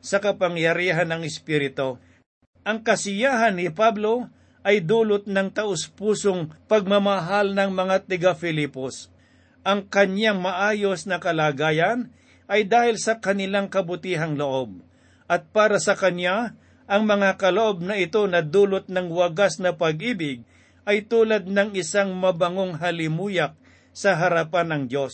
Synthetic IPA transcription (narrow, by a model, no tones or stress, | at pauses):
sɐkɐpɐŋjɐɾiːɦanɐŋɪspiːɾɪt̪o | ʔɐŋkɐsɪjaːɦɐnːɪpablo̞ | ʔɐjd̪uːlot̪̚nɐŋt̪ɐʔʊspuːsoŋpɐɡ̚mɐmɐɦalnɐŋmɐŋat̪ɪɡafɪlipos | ʔɐŋkɐɲjaŋmɐʔaːjo̞snɐkɐlaːɡaːjɐn | ʔɐjd̪aːhɪlsɐkɐnɪlaŋkɐbʊt̪iːɦɐŋloʔo̞b̚ | ʔɐt̪̚paːɾɐsɐkɐnja | ʔɐŋmɐŋakɐloʔo̞b̚nɐɪt̪o̞nɐd̪uːlot̪̚nɐŋwɐɡasnɐpɐɡ̚ʔiːbɪɡ̚ | ʔɐjt̪uːlad̪̚nɐŋɪsaŋmɐbɐŋoŋɦɐlɪmuːjak̚ | sɐɦɐɾɐpanːɐŋd̪jo̞s